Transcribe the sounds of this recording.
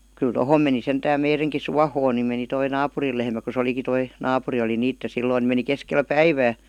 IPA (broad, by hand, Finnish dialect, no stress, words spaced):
kyl tohoˑm meni sentæːm meireŋki suɑhoːn ni meni toi nɑːpuril lehmæ ku se oliki toi nɑːpuri oli niːtːe silːoin̆ ni meni keskel pæiʋæː